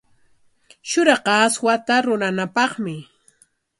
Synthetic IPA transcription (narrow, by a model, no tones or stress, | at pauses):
ʃʊɾɑqɑːswat̪aɾʊɾanapɑχmɪ